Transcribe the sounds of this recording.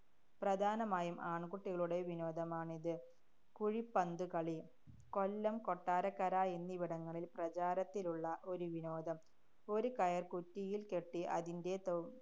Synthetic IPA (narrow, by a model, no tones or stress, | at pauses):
prɐd̪ʱaːnɐmaːjumʔaːɳkuʈːiɣɐɭuɽe̞ʋino̞ːd̪ʱɐmaːɳiðɨ | kuɻipːɐnd̪ukɐɭi | ko̞lːɐmko̞ʈːaːɾɐkːɐɾaːenːiʋiɽɐŋːɐɭilprɐt͡ɕaːɾɐt̪ːiluɭːɐʔo̞ɾuʋino̞ːd̪ʱɐm | o̞ɾukɐjɐrkutːijilke̞ʈːiʔɐðinde̞t̪o